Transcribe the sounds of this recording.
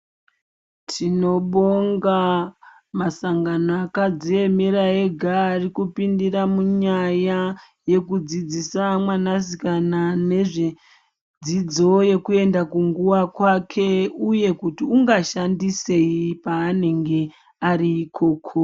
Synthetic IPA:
tʰino̞ɓoŋɡa | masaŋɡanoakad͡zie̞meɾaeɡʱaːrikupindiramuɲaja | je̞kud͡zid͡zisamwanazikanane̞ʐe̞ | d͡zid͡zo̞je̞kue̞ndakuŋɡuʋakwakʰe̞uje̞kutiuŋɡaʃandise̞ipaːne̞ŋɡe̞ | aɾiːkʰo̞ːkʰo

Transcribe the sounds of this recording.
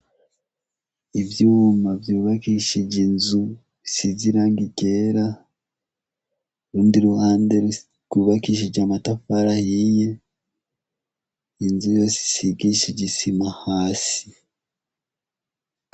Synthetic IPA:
iβjuːmavjuːβakiʃeɟinzu | βisiziɾaŋɡiɟeɾa | ɾuːndiɾuhaːnde̞ɾ | ɡuːβakiːʃ̬eɟamatafaɾahije̞ | inzujo̞se̥siɡiʃeɟisimahaːsi̥

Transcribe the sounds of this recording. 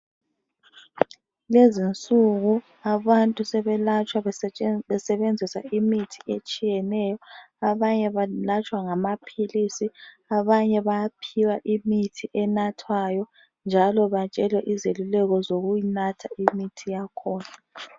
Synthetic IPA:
lezint͡sʼuɣu | aβantʼusɛβɛlat͡ʃʼwaβɛsɛβend͡zʱisa̰imitʰi̥et͡ʃʼijɛnɛːjɔaβaɲɛβalat͡ʃʼwaŋamapʰilisi | aβaɲɛβajapʰiwaʔimitʰiʔɛnatʰwajɔ | nd͡ʒʱalɔβat͡ʃʼɛlwɛʔizelulɛɣɔzoɣujinatʰaimitʰijakʰɔːna

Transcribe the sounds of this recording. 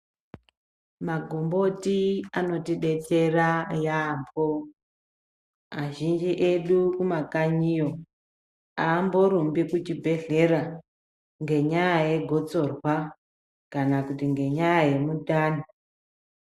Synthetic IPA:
maɡʱombo̞tiano̞tiɗe̞t͡serajaːmbo | maʒind͡ʒiʔe̞ɗukumakaɲijo | aːmbo̞ɾumbikut͡ʃibʱe̞ɮe̞ɾa | ŋɡe̞ɲajaje̞ɡʱo̞t͡so̞rwa | kanakutiŋɡe̞ɲajaje̞mutaːni

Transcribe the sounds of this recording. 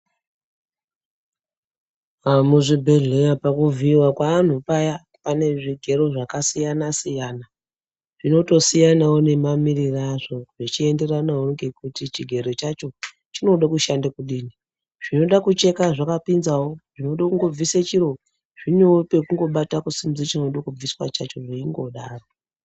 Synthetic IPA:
amuʐibʱe̞ɮewapakuvʱiiwakwaan̤upaja | pane̞ʐiɡʱe̞ɾo̞ʐakasijanasijaːna | ʐ̥ino̞to̞sijanawone̞mamiriraʐo̞ʐit͡ʃie̞nde̞ranawoŋɡe̞kutit͡ʃiɡʱe̞ɾo̞t͡ʃat͡ʃo̞ | t͡ʃino̞ɗakuʃandakuɗiːni | ʐ̥ino̞ɗakut͡ʃe̞kaʐakapinzawo̞ʐ̥ino̞ɗakuŋɡo̞b͡viset͡ʃiɾo̞ | ʐ̥inope̞kuŋɡo̞ɓatakusimzit͡ʃinoɗakub͡viswat͡ʃat͡ʃo̞ʐiiŋɡo̞ɗaːro̞

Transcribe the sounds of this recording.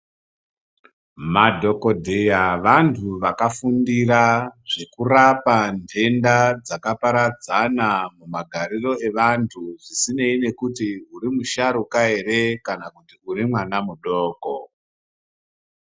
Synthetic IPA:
madʱo̞ko̞dʱejaʋantʰuʋakafundiraʐekurapandʰʱe̞ndad͡zakapaɾad͡zanamumaɡʱaɾiro̞e̞ʋantʰuʐisine̞ine̞kutiuɾimuʃaɾukaeɾe̞kanakutiuɾimwanamuɗoːko

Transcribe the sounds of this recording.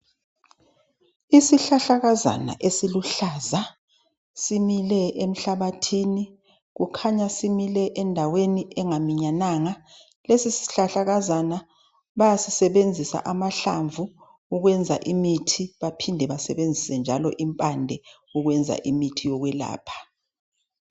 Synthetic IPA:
isiɬaɬaɣaza̰na̰ʔesiluɬaːza | similɛem̩ɬaβatʰiːni | ɣukʰaɲasimilɛʔɛndʱaweniʔɛŋamiɲanaːŋa | lesisi̥ɬaɬaɣazana | βajasisɛβend͡zʱisa̰ʔamaɬa̰ɱvʱu | uɣwɛnd͡zʱa̰ʔimitʰiβapʰindʱɛβasɛβend͡zʱisɛnd͡ʒʱalɔʔimpʼandʱɛ | uɣwɛnd͡zʱa̰ʔimitʰijɔɣwɛla̰ːpʰḁ

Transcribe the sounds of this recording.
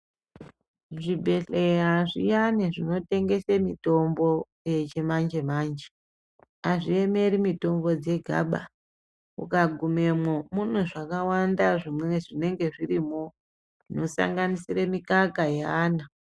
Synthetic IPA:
ʐibʱe̞ɬeɦaʐḭjaneʐino̞te̞ŋɡe̞semito̞mbo̞ | jet͡ʃemand͡ʒe̞maːnd͡ʒe | aʐie̞me̞ɾimito̞mbo̞d͡ze̞ɡʱa̰ɓa̰ | ukaɡʱume̞mwomunweʐakawandaʐimweeʐine̞ŋɡe̞ʐirimo | ʐino̞sa̰ŋɡanisiremikakajeaːna

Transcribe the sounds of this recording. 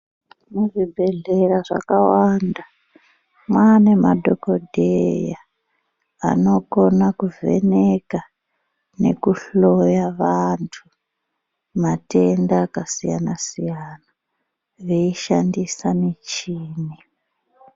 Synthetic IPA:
nuʐibʱe̞ɮe̞raʐa̰kawanda | mwane̞madʱoko̞dʱeja | a̰no̞konakuvʱe̞̰neka | ne̞̰kuɬo̞jaʋantʰu | mate̞ndaːkasija̰nasijana | ʋe̞iʃandisamit͡ʃiːni

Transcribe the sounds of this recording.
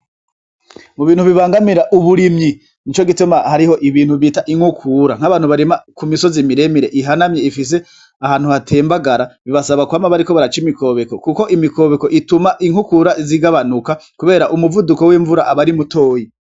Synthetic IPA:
muβiːn̥huβiβaːŋɡamiɾaʔuβuɾimɲi | nit͡ʃo̞ɡitumahaɾiho̞ʔiβiːn̥huβiːtaʔiŋhukʰuːɾaŋ̥haβaːnhuβaɾemakumiso̞zimiɾe̞miɾe̞ʔiɦanamɲeifis̬e̞ | ahaːn̥huhatʰe̞ːmbaɡaɾaβiβasaβakuaːmaβaɾiko̞βaɾat͡ʃimiko̞βeko̞kuko̞ʔimiko̞ːβeko̞ʔitumaʔiŋhukuːɾaiziɡaβanukakuβe̞ːɾaʔumuvuduko̞wiːɱvuɾaʔaβaɾimuto̞ːji

